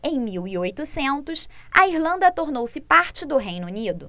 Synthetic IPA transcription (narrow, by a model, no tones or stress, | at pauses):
ẽj̃miwiojt̪ʊsẽnt̪ʊsɐ̰iɾlɐ̃nd̪ɐt̪oɾnowsɪpaɾt͡ʃɪd̪ʊɦejnunid̪ʊ